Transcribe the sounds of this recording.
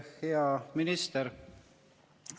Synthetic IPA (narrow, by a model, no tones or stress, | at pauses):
heɑminist̪eɾ